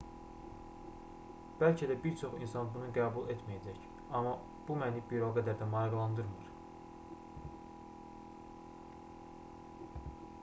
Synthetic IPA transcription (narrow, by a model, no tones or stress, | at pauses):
b̥ælcʰæd̪æbiɾt͡ʃʰo̞χḭnsɑnbunuɡæːbulˠet̪ʰmijæd͡ʒæc | ɑmɑ | b̥umænibiɾoɡæd̪æɾd̪æmɑɾɑɡlˠɑnd̪ɯɾmɯɾ